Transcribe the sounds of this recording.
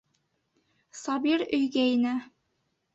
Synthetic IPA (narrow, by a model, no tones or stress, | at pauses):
sɑbiɾɵjɡæinæ